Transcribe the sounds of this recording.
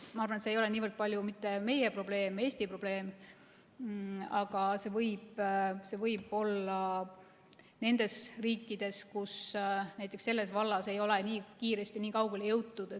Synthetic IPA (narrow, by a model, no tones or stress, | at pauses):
mɑɑrvɑnet̪seːjo̞leniːvərd̪̥̚pɑlʲjumit̪ːe̞me̞je̞pro̞ble̞ːme̞ːsʲt̪ipro̞b̥le̞ːm | ɑɡ̥ɑse̞vɤjb̥se̞vɤjb̥o̞lːɑ | ne̞nd̪̥e̞sriːkˑːid̪̥e̞skusnæjt̪ːˑe̞ksːe̞lːe̞svɑlːɑse̞jo̞leniːkiːɾe̞st̪iniːkɑwɡ̥e̞ljɤwt̪ːˑud̪̥e